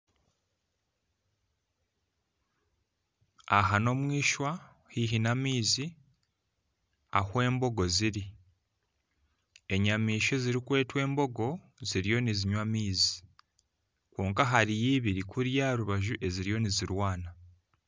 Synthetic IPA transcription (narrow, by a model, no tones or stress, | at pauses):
aɦano̞mwiːʃwa | hiɦinamiːzi | ahwe̞ːmbo̞ɡo̞ziɾi | e̞ɲamiːʃe̞ziɾikwe̞ːtwe̞ːmbo̞ɡo̞ | ziɾijo̞niziɲwamiːzi̥ | kwoːŋkaɦaɾijiːβiɾikuɾjaːɾuβaʒuʔe̞ziɾijo̞niziɾwaːna